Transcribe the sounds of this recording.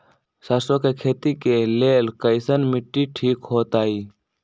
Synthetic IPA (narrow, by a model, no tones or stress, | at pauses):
sɐsoːkekʰeːt̪ikeleːlkəɪsənmɪʈːiʈʰiːkɦoːt̪aːiː